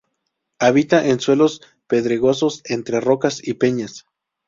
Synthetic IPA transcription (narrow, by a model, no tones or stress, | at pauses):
aβit̪aʔenswe̞lo̞s | pe̞ðɾeɣo̞so̞se̞nt̪ɾe̞ro̞kasipe̞ɲas